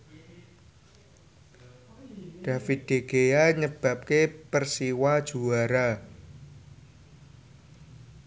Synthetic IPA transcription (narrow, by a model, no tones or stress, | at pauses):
d̥a̤fid̪̥e̤ɡ̥ejaɲəb̥ä̤p̚kepərsiwad̥ʒ̥ṳaɾa